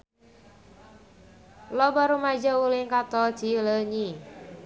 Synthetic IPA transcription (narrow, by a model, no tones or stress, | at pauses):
lɔbaɾumad͡ʒaulɪŋkat̪ɔ̥d͡ʒ̥iləɲi